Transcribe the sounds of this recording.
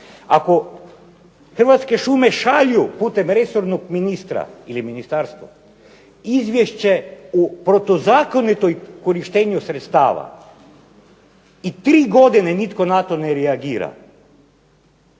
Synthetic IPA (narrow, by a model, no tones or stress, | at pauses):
ako̞ | xr̩ʋat̪ske̞ʃumeʃaʎjupuːt̪emɾe̞soɾnoɡminist̪ɾa̰iliminist̪aɾst̪ʋa̰ | izʋʲjeʃt͡ɕe̞upɾot̪ozaːkonit̪ojkoɾiʃt̪eːɲusɾet̪st̪a̰ːʋa̰ | it̪ɾiːɡo̞d̪inenit̪ko̞nat̪o̞neɾɛaɡiːɾa̰